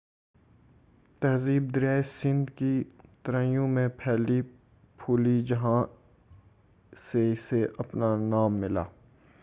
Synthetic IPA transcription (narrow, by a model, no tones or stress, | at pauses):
t̪ɐɦziːb̚d̪ɪɾjaːesɪ̃nd̪kit̪ɾãːjõmẽpʰɛːli | pʰuːlid͡ʒɐɦã | seɪseʔɐpnanaːmːɪla̰ː